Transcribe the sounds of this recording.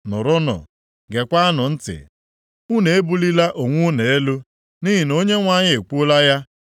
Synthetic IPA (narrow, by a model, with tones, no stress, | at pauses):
nʊ˨ɾʊ˦nɔ̰˨ | ɡe˨kʷa˦a˦nʊ˨n̩˦tɪ̰˨ | u˦ne˨e˦bu˦li˦la˦ʔo˨ŋʷʊ˦ne˨e˦lu˦ | ni˦ɦi˨no˦ɲe˦ŋʷa˨ɲɪ˦e˨k͡pu˦la˦ja˦